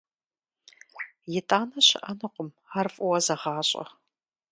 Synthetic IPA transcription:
jɪtʼaːnɐɕɪ̰ʔɐnɨqʷʊm | arfʼʊwɐzɐʁɑːɕʼɐ̰

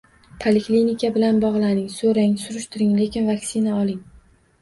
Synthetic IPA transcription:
pʰalɪklinikʲʰabɪlanbɒʁlˠanɪŋsoɾaŋsʊɾʊʃt̪ɪɾɪŋle̞kʲɪnvaksɪnaɒlˠɪŋ

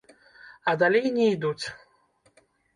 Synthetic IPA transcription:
ɐd̪alʲejnʲɛid̪ut͡sʲ

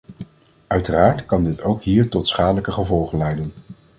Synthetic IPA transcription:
œɥtəraːɹtkɑndɪtowkɦiːɹtɔtsχaːdələkəχəvɔlˠχəlɛjdən

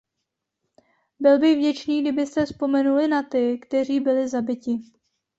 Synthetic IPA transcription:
bɪlbɪɣvɟɛt͡ʃniːɡdɪbɪst̪ɛspo̞mɛnulɪnat̪ɪkt̪ɛr̝iːbɪlɪzabɪcɪ

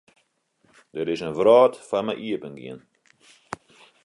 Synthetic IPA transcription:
dəɾɪsənvrɑːtfɐnməʔiəpənɡḭən

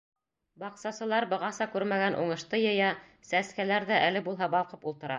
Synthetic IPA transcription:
bɑqsɑsɤ̆lˠɑɾbɤ̆ʁɑsɑkʉɾmæɡænʔṵɴɤ̆ʃt̪ɤjɤ̆jɑ | sæskælæɾðæʔælɘbulˠɦɑbɑlˠqɤpulˠt̪ɤ̆ɾɑ

